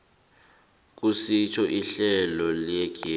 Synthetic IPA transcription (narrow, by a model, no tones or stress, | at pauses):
k̬ʼusit͡ʃʰɔʔiɬɛlɔlɛɡ̥ʱi